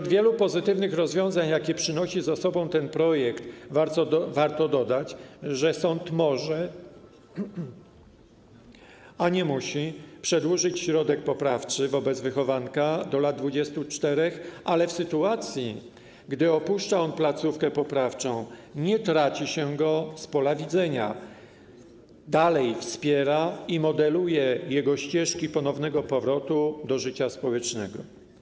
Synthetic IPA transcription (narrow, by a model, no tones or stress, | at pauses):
ud̪vʲjɛlupɔzɘt̪ɘvnɘxɾɔzvʲjɔ̃w̃zaɲjakʲipʂɘnɔɕizasɔbɔ̃w̃t̪ɛnpɾɔjɛkt̪vvaɾt̪ɔd̪ɔd̪at͡ɕʐɛsɔnt̪mɔʐɛ | aɲɛmuɕipʂɛd̪wuʐɘt͡ɕɕɾɔd̪ɛk̚pɔpɾaft͡ʂɘvɔbɛd̪zvɘxɔvankad̪ɔlad̪̚d̪vud͡ʑɛst̪ut͡ʂt̪ɛɾɛxalɛfsɘt̪uat̪sʲji | ɡd̪ɘɔpuʂt͡ʂaɔnplat̪sufkɛpɔpɾaft͡ʂɔ̃w̃ɲɛt̪ɾat͡ɕiɕɛɡɔspɔlavʲid̪zɛɲa | d̪alɛjfspʲjɛɾaimɔd̪ɛlujɛjɛɡɔɕt͡ɕɛʂkʲipɔnɔvnɛɡɔpɔvɾɔt̪ud̪ɔʐɘt͡ɕaspɔwɛt͡ʂnɛɡɔ